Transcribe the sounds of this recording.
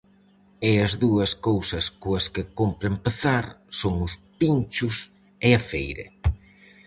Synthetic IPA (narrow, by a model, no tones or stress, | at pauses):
eɐzðuɐskowsɐskoɐskɪkompɾempeθaɾsoŋʊspint͡ʃʊs | eɐfejɾḛ